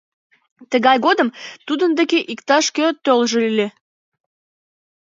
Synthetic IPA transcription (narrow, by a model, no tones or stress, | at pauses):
t̪əɣɑjɣod̪əmt̪ud̪ənd̪ekeʔikt̪ɑʃkøt̪ølʒelylʲe